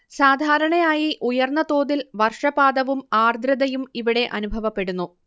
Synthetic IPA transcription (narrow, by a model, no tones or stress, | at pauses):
saːd̪ʱaːɾɐɳɐjaːjiʔujɐrnːɐt̪o̞ːðilʋɐrʂɐbaːd̪ɐʋumaːrd̪ʱɾɐd̪ɐjumiʋiɽe̞ʔɐ̰nubʱɐʋɐpːe̞ɽunːu